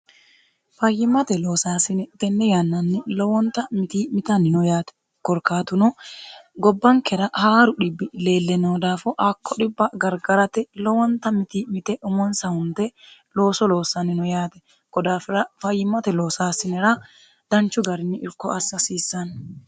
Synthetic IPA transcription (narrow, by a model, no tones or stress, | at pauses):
fɐjːɪmːɐt̪ɛloːsaːsɪnɛt̪ɛnːɛjanːɐnːɪlɔwɔnt̪ɐmɪt̪iːmɪt̪ɐnɪnʊjaːt̪ɛ̥ | kɔɾkaːt̪ʊnɔɡɔbːɐŋkɛɾɐhaːɾʊᶑɪbːɪle̞ːlːɛnoːd̪aːfɔʔɐkʰːɔᶑɪbːɐɡɐɾɡɐɾɐt̪ɛlɔwɔnt̪ɐmɪt̪iːmɪt̪ɛʔʊmɔnsɐhʊnt̪ɛ | lo̞ːsɔlo̞ːsːɐnːɪnɔjaːt̪ɛ̥ | ɡ̥ɔd̪aːfɪɾɐfɐjːɪmːɐt̪ɛloːsaːsɪnɛɾɐ | d̪̥ɐnt͡ʃːʊɡɐɾɪnːɪʔɪɾkːɔʔɐsːɐsiːsːɐn